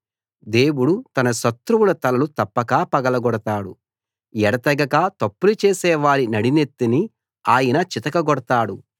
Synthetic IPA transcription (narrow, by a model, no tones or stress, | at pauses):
d̪e̞ːwuɽut̪ɐnɐʃɐt̪ɾuwulɐt̪ɐlɐlut̪ɐpːɐkaːpɐɡɐlɐɡɔɽɐt̪aːɽṵ | ɛɽɐt̪ɐɡɐɡaːt̪ɐpːulut͡ʃeːsɛːʋaːɾinɐɽinet̪ːini | aːjɐnɐt͡ʃit̪ɐkɐɡɔɽɐt̪aːɽu